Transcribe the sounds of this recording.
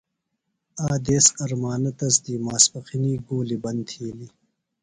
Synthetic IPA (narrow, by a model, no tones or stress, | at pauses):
aːd̪eːsɐɾmaːnɐt̪ɐs̬d̪iːmaːspɐxiniːɡoːlibɐnt̪ʰiːli